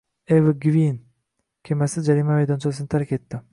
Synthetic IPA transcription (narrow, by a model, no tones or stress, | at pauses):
evɨɡvʲin | kʲʰemasɪd͡ʒaɾimamejd̪ont͡ʃʰlsɨnt̪ʰaɾkʲet̪ːɪ